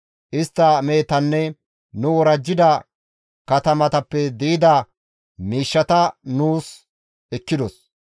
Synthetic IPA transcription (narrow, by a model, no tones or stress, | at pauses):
ʔɪst̪ːɐme̞ːt̪ɐnːɛ | nʊwɔɾɐd͡ʒːɪd̪ɐ | kɐt̪ɐmɐt̪ɐpːɛd̪iɪd̪ɐ | miːʃːɐt̪ɐnuːs | ɛkːɪd̪ɔs